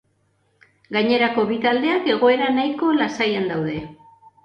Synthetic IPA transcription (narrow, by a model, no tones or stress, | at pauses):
ɡaɲe̞ɾako̞βit̪ald̪e̞ake̞ɣ̞o̞e̞ɾanajko̞lasajand̪awðe̞